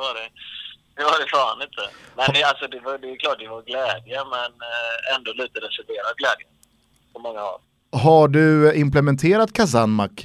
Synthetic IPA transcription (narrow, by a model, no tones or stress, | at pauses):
ɛvaɾɛd̪ɛvaɾɛfaːanɪnt̪ʰəmɛnalsɔd̪ɛvad̪ɛkʰlɑːʈːd̪ɛvaɾɡlɛːd̪jəmɛnɛnd̪oːliːt̪ad̪ɛsɛt̪eːɾaɡlɛːd̪jə | pʰɔmɔŋːaɔ̰l | ɦaɖɵɪmplɛmɛnt̪ʰeːɾat̪kʰas̬anmak